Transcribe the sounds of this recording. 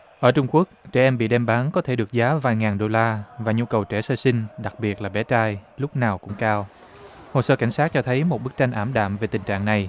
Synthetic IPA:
ʔəː˧˩t͡ɕʊ˧ŋ͡mku˦˥ək̚t͡ɕɛ˧˩ʔɛ˧mɓḭ˧˨ɗɛ˧mɓaː˨˦nkɔ˨˦t̪ʰe˧˩ɗɨ˨˩ək̚zaː˨˦vaː˨˩jŋaː˨˩nɗo˧laː˧vaː˨˩ɲu˧kə˨˩wt͡ɕɛ˧˩səː˧sï˧ŋ̟ɗa˨˩k̚ɓi˨˩ət̚laː˨˩ɓɛ˧˩˦t͡ɕaː˧jlʊ˦˥k͡p̚naː˨˩wkʊ̰˧˥ŋ͡mkaː˧w | ho˨˩səː˧ka˧˩jŋ̟saː˦˥t̚t͡ɕɔ˧t̪ʰə˨˦jmo˨˩t̚ɓɨ˦˥k̚t͡ɕa˧ŋ̟ʔaː˧˩mɗa̰ː˧˨mve˨˩t̪ï˨˩ŋ̟t͡ɕa̰ː˧˨ŋna˨˩j

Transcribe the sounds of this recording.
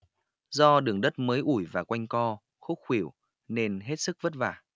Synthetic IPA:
zɔ˧ɗɨ˨˩əŋɗə˦˥t̚məː˨˦jʔu˧˩jvaː˨˩kwa˧jŋ̟kɔ˧ | xo˦˥t̚xwi˧˩əw | ne˧nɦe˦˥t̚sɨ˦˥k̚və˦˥t̚va̰ː˧˩

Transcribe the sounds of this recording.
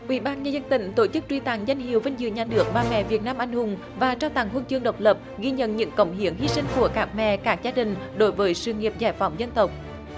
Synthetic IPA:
ʔwḭ˧˩ɓaː˧nɲəː˧zə˧nt̪ï˧˩ŋ̟t̪o˧˩t͡ɕɨ˦˥k̚t͡ɕwi˧t̪a̰ː˧˩ŋza˧jŋ̟hḭ˨˩əwvə˧jŋ̟zɨ̰˧˨ɲaː˨˩nɨ˨˩ək̚ɓaː˨˩mɛ̰˧˨vi˨˩ət̚naː˧mʔa˧jŋ̟hʊ˨˩ŋ͡m | vaː˨˩t͡ɕaː˧wt̪a˨˧˩ŋɦu˧nt͡ɕɨ˧əŋɗə˨˩wk͡p̚lə˨˩p̚ɣi˧ɲə̰˧˨nɲɨ̰˧˥ŋkə˨˩wŋ͡mɦi˨˦ənhi˧si˧ŋ̟ku˧˩əkaː˦˥k̚mɛ̰˧˨kaː˦˥k̚zaː˧ɗï˨˩ŋ̟ɗo˨˦jvəː˨˦jsɨ˨˧˩ŋi˨˩əp̚zaː˧˩jfa˨˦wŋ͡mzə˧nt̪ə˨˩wk͡p̚

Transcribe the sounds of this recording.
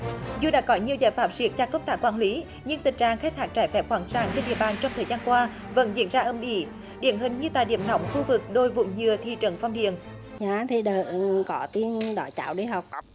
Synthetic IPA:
zu˧ɗa̰ː˧˥kɔ˨˦ɲi˨˩əwzaː˧˩jfaː˨˩p̚zi˨˩ək̚t͡ɕaː˧˩kə˧wŋ͡mt̪aː˧˩kwaː˧˩nli˨˦ | ɲɨ˧ŋt̪ï˨˩ŋ̟̚t͡ɕa̰ː˨ŋxk̚t̪ʰaː˦˥k̚t͡ɕaː˧˩jfɛ˨˦˥p̚xwaː˨˩nsaː˧˩ŋt͡ɕe˧nɗḭ˧˨əɓaː˨˩nt͡ɕɔ˧wŋ͡mt̪ʰəː˨˩jzaː˧nkwaː˧ | və̰˧˥nzḭ˧˨ənzaː˧ʔə˧nʔḭ˧˥ | ɗḭ˧˨əmɦï˨˩ŋ̟ɲɨ˧t̪aː˧˨jɗḭ˧˩əmnɔ̰˧˦wŋ͡mxu˧vɨ˨˩k̚ɗo˧jvʊ̰˧˩ŋ͡mɲɨ˨˧˩ət̪ʰḭ˧˨t͡ɕə˨˦nfɔ˧wŋ͡mɗḭ˧˨ən | ɲaː˨t̪ʰi˨˩ɗəː˨˩kɔ˨˦t̪i˧ənɗɔ̰˧˩˦jt͡ɕa̰ː˧˨˦wɗi˧ɦə˨˩wk͡p̚

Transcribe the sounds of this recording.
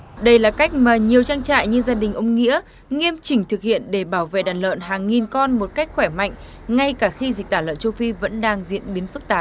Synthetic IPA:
ɗə˧jlaː˨˩ka˦˥jk̟̚maː˨˩ɲi˨˩əwt͡ɕaː˧ŋt͡ɕa̰ː˧˨jɲɨ˧zaː˧ɗï˨˩ŋ̟ʔə˧wŋ͡mŋḭ˧˥ə | ŋi˧əmt͡ɕï˧˩ŋ̟t̪ʰɨ˨˩k̚hḭ˧˨ənɗe˧˩ɓaː˧˩wvḛ˧˨ɗaː˨˩nlə̰ː˧˨nɦaː˨˩ŋːi˨˩nkɔ˧nmo˨˩t̚ka˦˥k̟̚xwɛ˧˩ma̰˧˨jŋ̟ | ŋa˧jkaː˧˩xi˧zi˨˩k̚t̪aː˧˩lə̰ː˧˨nt͡ɕo˧wfi˧və̰˧˥nɗaː˧ŋzḭ˧˥ənɓi˨˦ənfɨ˦˥k̚t̪aː˨˩

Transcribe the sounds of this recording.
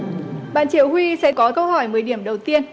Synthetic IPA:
ɓa̰ː˧˨nt͡ɕi˧˩əwhwi˧sɛ̰˧˥kɔ˨˦kə˧whɔ˧˩jmɨ˨əjɗi˧˩əmɗə˨˩wt̪i˧ən

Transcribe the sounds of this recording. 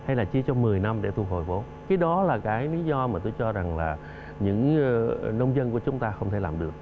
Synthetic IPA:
ha˧jlaː˨˩t͡ɕi˧ət͡ɕɔ˧ŋ͡mmɨ˨˩əjna˧mɗḛ˧˩t̪ʰu˧˩ɦo˨˩jɓo˨˦ | kaː˨˦jɗɔ˨˦laː˨˩kaː˨˦jli˨˦zɔ˧maː˨˩t̪o˧jt͡ɕɔ˧za˨˩ŋlaː˨˩ | ɲɨ̰˧˥ŋ | nə˧wŋ͡mzə˧nku˧˩ət͡ɕʊ˨˦ŋ͡mt̪aː˧xə˧wŋ͡mt̪ʰe˧˩laː˨˩mɗɨ˨˩ək̚

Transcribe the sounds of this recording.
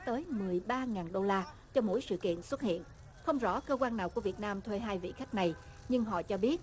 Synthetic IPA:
t̪əː˨˦jmɨ˨˩əjɓaː˧ŋaː˨˩nɗo˧laː˧ | t͡ɕɔ˧mo̰˧˥jsɨ̰˧˨kḭ˧˨ənswə˦˥t̚hḭ˧˨ən | xə˧wŋ͡mzɔ̰˧˥kəː˧kwaː˧nːaː˨˩wku˧˩əvi˨˩ət̚naː˧mt̪ʰwe˧ɦaː˧jvḭ˧˨xa˦˥k̚na˨˩j | ɲɨ˧ŋɦɔ̰˧˨t͡ɕɔ˧ɓi˦˥ət̚

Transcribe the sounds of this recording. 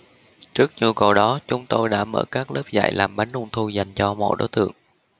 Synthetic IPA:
t͡ɕɨ˦˥ək̚ɲɨ˨˩əwkə˨˩wɗɔ˨˦t͡ɕʊ˨˦ŋ͡mt̪o˧jɗa̰ː˧˥mə̰ː˧˩kaː˦˥k̚ləː˦˥p̚za̰ː˧˨jlʔaː˨˩mɓa˨˦jŋlʊ˧ŋ͡mt̪ʰu˧za˨˩jŋ̟t͡ɕɔ˧mo̰˧˨jɗo̰˨˦jt̪ɨ̰˧˨əŋ

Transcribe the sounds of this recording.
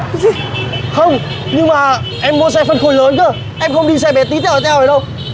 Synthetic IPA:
xə˧wŋ͡m | ɲɨ˧ŋmaː˨˩ | ʔɛ˧mːu˧˦s̬ɛ˧fə˧nxo˧˩jləː˨˦nt͡ɕəː˧˩ | ʔɛ˧mxə˧wŋ͡mɗi˧sɛ˧ɓɛ˨˩˥t̪i˨˦t̪ʰɛ˧w̪ːʰɛ˧wə˨˩ɗə˧w

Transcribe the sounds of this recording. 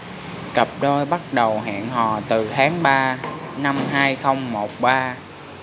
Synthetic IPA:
kə˨˩p̚ɗo˧jɓa˦˥t̚ɗə˨˩wɦa̰ː˧˨nɦɔ̰˨˩t̪ɨ˨˩t̪ʰaː˨˦ŋɓaː˧na˧mɦaː˧jxə˧wŋ͡mmo˨˩t̚ɓaː˧

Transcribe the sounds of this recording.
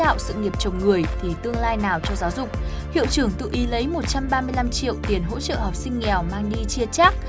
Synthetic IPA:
a̰ː˧˨wsɨ̰˧˨ŋi˨˩əp̚t͡ɕə˨˩wŋ͡mŋɨ˨˩əjt̪ʰi˨˩t̪ɨ˧əŋlaː˧jnaː˨˩wt͡ɕɔ˧zaː˨˦wzʊ˨˩k͡p̚hḭ˧˨əwt͡ɕɨ˧˩əŋt̪ɨ̰˧˨ʔi˨˦lə˨˦jmo˨˩t̚t͡ɕa˧mɓaː˧mɨ˧əjla˧mt͡ɕḭ˧˨əwt̪i˨˩ənɦo̰˧˥t͡ɕə̰ː˧˨hɔ˨˩p̚sï˧ŋ̟ŋɛ˨˩wmaː˧ŋɗi˧t͡ɕi˧ət͡ɕaː˦˥k̚

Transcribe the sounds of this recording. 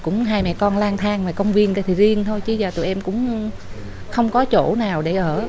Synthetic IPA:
kʊ̰˧˥ŋ͡mɦaː˧jmɛ̰˧˨kɔ˧nlaː˧nt̪ʰaː˧ŋmaː˨˩kə˧wŋ͡mvi˧ənɗə˧˨˦t̪ʰi˨˩zi˧ənt̪ʰo˧jt͡ɕɨ˧˦zaː˨˩t̪ṵ˧˨ʔɛ˧mkʊ̰˧˥ŋ͡m | xə˧wŋ͡mkɔ˨˦t͡ɕo˧˩naː˨˩wɗe˧˩ʔəː˧˩

